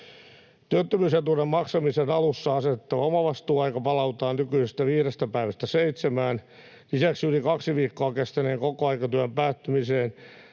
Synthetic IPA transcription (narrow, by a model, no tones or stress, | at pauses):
t̪yøt̪ːømyːset̪uremmɑksɑmisenɑlusːɑɑsett̪ːɑʋomɑʋɑst̪uːɑikɑpɑlɑut̪ɑːnnykyisest̪æʋiːrest̪æpæiʋæst̪æseit̪semæːn | isæksjulikɑksiʋiːkːoɑkest̪eneːŋkokoɑikɑt̪yæmpæːt̪ːymiseːn